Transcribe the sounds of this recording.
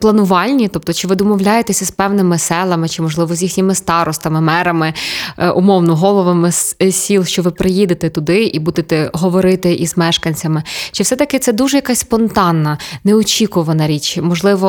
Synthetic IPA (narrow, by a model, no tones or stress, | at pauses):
plˠɐnʊʋɑlʲnʲit̪ɔp̚t̪ɔt͡ʃɪʋɪd̪ɔmɔwlʲajet̪esʲɐspɛwnɪmɪsɛlˠɐmɪt͡ʃɪmɔʒlˠɪʋɔzʲjixnʲɪmɪst̪ɑɾɔst̪ɐmɪmɛɾɐmɪʔʊmɔwnɔɦɔlˠɔʋɐmɪssʲilˠʃt͡ʃɔʋɪpɾʔɪjid̪ɪt̪ɛt̪ʊd̪ɪʔibud̪et̪ɛɦɔʋɔɾɪt̪ɪʔizmɛʃkɐnʲt͡sʲɐmɪt͡ʃɪfsɛt̪ɐkɪt̪sɛd̪uʒɛjɐkɑsʲspɔnt̪ɑnːɐnɛɔt͡ʃʲikʊʋɐnɐɾʲit͡ʃmɔʒlˠɪʋɔ